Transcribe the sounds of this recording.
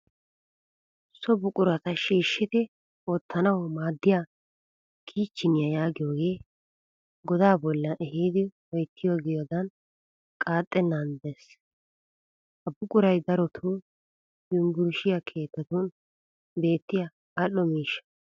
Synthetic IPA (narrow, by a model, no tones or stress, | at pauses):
sɔbʊkʼʊɾɐt̪ɐʃiːʃːɪt̪ɪ | oːt̪ːɐnɐwɔmaːd̪ːɪjaː | kʰiːt͡ʃːɪnɪjɐjaːɡɪjo̞ːɡe̞ː | ɡɔd̪aːbɔlːɐʔɛhiːd̪ɪwɔjt̪ːɪjoːɡɛjod̪ɐn | kʼaːt̪ʼːɛnːɐnd̪es | ʔɐbːʊkʼʊɾɐjd̪ɐɾɔt̪ʰu | jʊŋɡʊɾʃɪjɐkʰe̞ːt̪ːɐt̪un | be̞ːt̪ːɪjɐ | ɐlːɔmiːʃːɐ̥